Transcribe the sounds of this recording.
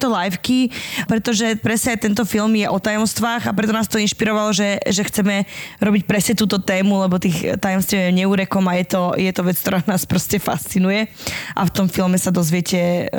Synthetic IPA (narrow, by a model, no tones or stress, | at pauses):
t̪ɔlajfkipɾɛt̪ɔʒɛpɾɛsɲɛaɪt̪ɛnt̪ɔfilˠmjɛʔɔt̪ajɔmst̪ʋaːɣapɾɛt̪ɔnaːst̪ɔinʃpiɾɔʋalɔʒɛʒɛxt͡sɛmɛɾɔbic̚pɾɛsɲɛt̪uːt̪ɔt̪ɛːmulɛbɔt̪iːxt̪ajɔmst̪ʋiɛɲɛuɾɛkɔmajɛt̪ɔjɛt̪ɔʋɛt͡skt̪ɔɾaːnaːspɾɔscɛfa̰st͡sinujɛʔa̰ft̪ɔmfilmɛsad̪ɔzʋɪɛcɛ